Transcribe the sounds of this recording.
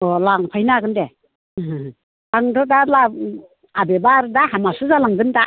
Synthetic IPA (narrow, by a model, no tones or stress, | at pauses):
ɔlaŋpʰajnaɡɯnde | laŋdʰɔdala | abebaɾdaɦamasɯzalaŋdɯnda